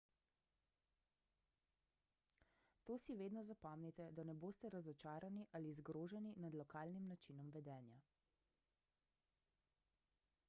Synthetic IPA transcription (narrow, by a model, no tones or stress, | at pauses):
t̪oːsiʋeːd̪nɔzapɔmnɛt̪ɛd̪anɛboːst̪ɛɾazɔt͡ʃaːɾaniʔalizɡɾoːʒɛninad̪lɔkaːlnimnat͡ʃinɔmʋɛd̪ɛːnja